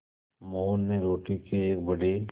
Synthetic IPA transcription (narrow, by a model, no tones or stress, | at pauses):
moːnːeɾoːʈikieːk̚bɐɽi